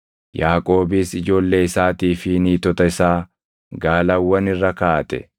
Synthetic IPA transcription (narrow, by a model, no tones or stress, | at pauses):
jaːkʼo̞ːbiːsɪd͡ʒo̞ːlːe̞ːɪsaːt̪iːfɪniːt̪ɔt̪ɐɪsaː | ɡaːlɐwːɐnɪrːɐkaːt̪ʼɛ̰